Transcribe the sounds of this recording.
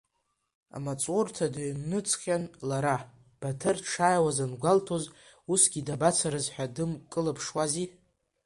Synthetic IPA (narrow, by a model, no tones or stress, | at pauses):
a̰mat͡sʼortʰadaɥnnɨt͡sʰʼχʲanlaɾa | b̥atʰɨrʈ͡ʂʰajwazanɡʷaltʰoz | usɡʲidabat͡sʰaɾɨzħʷᶣadɨmkʼɨlapʰʂwazi